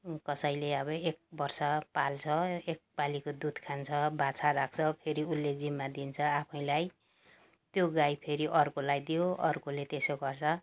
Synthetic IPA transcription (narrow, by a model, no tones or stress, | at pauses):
kʌsʌjleʌbʌek̚bʌrsʌpalt͡sʰʌek̚palikod̪ud̪ʱkʰant͡sʰʌbat͡sʰaɾak̚ʰt͡sʰʌpʰeɾiulːed͡zimːad̪int͡sʰʌapʰʌ̃ĩlaj | t̪joɡajpʰeɾiʔʌrkolajd̪ijoʌ̰rkolet̪esoɡʌrt͡sʰʌ